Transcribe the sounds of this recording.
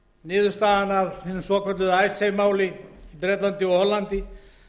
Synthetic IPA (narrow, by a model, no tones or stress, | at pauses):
nɪːðʏst̪aːðanavhɪnʏsɔːkʰɔt̪ʏðajsejmaːwlɪid̪ɾɛːt̪lant̪ɪɔhɔlant̪ɪ